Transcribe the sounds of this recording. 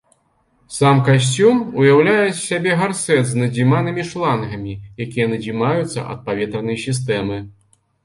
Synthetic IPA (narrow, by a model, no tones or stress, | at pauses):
samkas̬ʲt͡sʲumujawlʲajɛt͡sʲsʲabʲɛɣarsɛt̪znɐd͡zʲimanɨmʲiʂlˠanɣɐmʲijakʲijɐnɐd͡zʲimajut̪sːɐ̰ʔɐ̰t̪̚pavʲɛt̪ɾɐnɐjsʲis̬t̪ɛmɨ